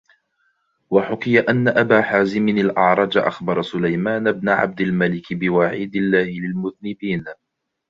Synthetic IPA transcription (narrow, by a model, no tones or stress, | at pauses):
waħʊkɪjaʔanːaʔabaːħaːzɪmɪnalʔɑ̰ʕɾˤɑd͡ʒʔa̰xbɑɾˤɑsʊlajmaːnabnaʕa̰b̚d̪almalɪkbɪwaʕiːd̪ɪlːaːhɪlɪlmʊðnɪbiːn